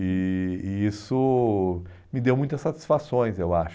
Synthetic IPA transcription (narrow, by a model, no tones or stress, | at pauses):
ɪːisʊ | mɪd̪ewmũj̃t̪ɐsːat̪i̥sfasõj̃zewaʃ